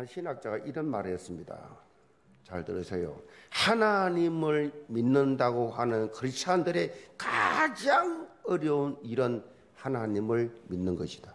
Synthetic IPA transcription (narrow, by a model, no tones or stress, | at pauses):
anɕʰinak̚t͡ɕ͈aɡaʔiɾʌnmaɾijʌs͈ɯmɲida̰ | t͡ɕaɭtɯɾɯsʰejo̰hanaɲimɯɭminːɯndaɡohanɯnkɯɾist͡ɕʰandɯɾe̞ka̰d͡ʑaŋʌɾjʌuniɾʌn | hanaɲimɯɭminːɯnɡʌɕʰi̥d̥a